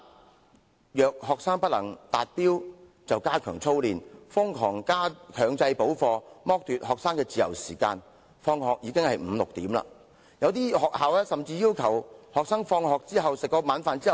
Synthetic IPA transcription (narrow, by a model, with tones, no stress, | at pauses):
jœː˨k̚hɔː˨k̚saː˥ŋpɐ˥t̚lɐ̰˨˩ŋt̪aː˨t̚piː˥w | t͡sɐ˨wkaː˥kʰœː˨˩ŋt͡sʰo˥wliː˨nfʊ˥ŋkʰɔː˨˩ŋkaː˥kʰœː˨ŋt͡sɐ˧jpo˨˥wfɔː˧mɔː˥k̚t̪yː˨t̚hɔː˨k̚saː˥ŋkɛː˧t͡siː˨jɐ̰˨˩wsiː˨˩ka̰ː˧n | fɔː˧ŋhɔː˨k̚jiː˨˧kɪ˥ŋhɐ˨jm̩ː˨˧lʊ˨k̚t̪iː˨˥mla̰ː˧ | jɐ˨˧wt̪̬iː˥hɔː˨k̚haː˨wɛː˥sɐ˨mt͡siː˧jiː˥wkʰɐ˨˩whɔː˨k̚saː˥ŋfɔː˧ŋɦɔː˨k̚t͡siː˥ɦɐ˨wsɪ˨kːɔː˧maː˨˥nfaː˨˧nt͡siː˥˨